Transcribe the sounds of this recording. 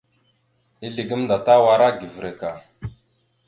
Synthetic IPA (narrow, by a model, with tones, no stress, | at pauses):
i˦li˨ɡi˦mnda˨ta˦wa˨ɾa˦ɡi˨vɾe˨ka˨